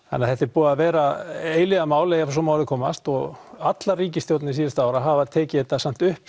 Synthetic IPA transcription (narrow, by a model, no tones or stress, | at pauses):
ha̰nːaθɛht̪ɛɾpuːɣavɛːɾaeːjlɪɣamaːwlejafs̬ɔmawɾðɪkʰɔːmast̪ɔɣat̪lariːcɪst̪jowt̪nɪis̬iːðɪst̪aaːwɾaɦaːvaðt̪ʰɛːcɪθɛt̪ːasam̥t̪ʏhp